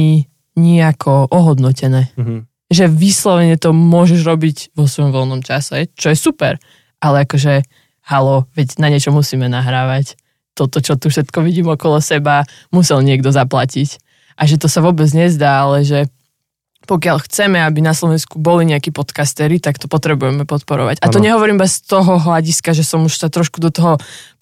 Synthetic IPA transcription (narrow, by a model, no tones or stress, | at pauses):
i | ɲiakʰɔʔɔɦɔd̪nɔcɛnɛː | ʒɛʋislɔʋɛɲɛt̪ɔmʊɔʒɛʒɾɔbiɟʋɔsʋɔjɔmʋɔlnɔmt͡ʃasɛt͡ʃɔjɛsupɛɾ | alɛakɔʒɛ | halɔʋɛɟnaɲɪɛt͡ʃɔmusiːmɛnaɦɾaːʋac | t̪ɔt̪ɔt͡ʃɔt̪ufʃɛt̪kɔʋiɟiːmɔkɔlɔsɛba | musɛlɲɪɛɡd̪ɔzaplacic | ʔaʒɛt̪ɔsaʋʊɔbɛd͡zɲɛzd̪aːalɛʒɛ | pɔkɪaʎxt͡sɛmɛabinaslɔʋɛnskubɔliɲɛakiːpɔt̪kast̪ɛɾit̪akt̪ɔpɔt̪ɾɛbujɛmɛpɔt̪pɔɾɔʋa̰ɟat̪ɔɲɛɦɔʋɔɾiːmbɛst̪ɔɦɔɦlaɟiskaʒɛsɔmuʃsat̪ɾɔʃkud̪ɔt̪ɔɦɔ